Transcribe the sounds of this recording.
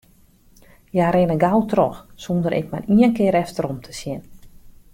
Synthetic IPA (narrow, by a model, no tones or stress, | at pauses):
jaɾɪnəɡawtrɔxsondəɾɪ̰k̚mariənkɪːɾɛftəɾomtʰə̥sjɪn